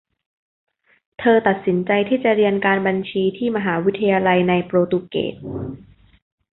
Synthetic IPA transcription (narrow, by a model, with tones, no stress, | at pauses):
t̪ʰɤː˧t̪a˨˩t̪̚si˩˦nt͡ɕa˧jt̪ʰiː˥˩t͡ɕa˨˩ʔɾi˧ənkaː˧nba˧nt͡ɕʰiː˧t̪ʰiː˥˩ma˧ɦaː˩˦wi˦˥t̪ʰːa˧jaː˧la˧jna˧jpɾoː˧t̪u˧kḛː˨˩t̪̚